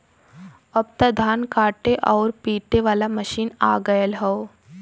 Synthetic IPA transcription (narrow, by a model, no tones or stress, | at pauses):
ɐb̚t̪ad̪ʱaːnkaːʈeʔɔːɾpiːʈeʋaːlamɐʃiːna̰ːɡəjəlɦɛo